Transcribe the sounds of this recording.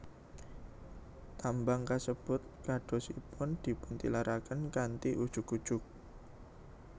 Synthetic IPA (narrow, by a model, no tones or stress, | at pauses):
t̪ambaŋkasəb̥ʊt̪̚kaɖ̥ɔ̤sipʊnd̪̥i̤pʊnt̪ḭlaɾʔakənkant̪iʔud̥ʒ̥ʊkud̥ʒ̥ʊk̚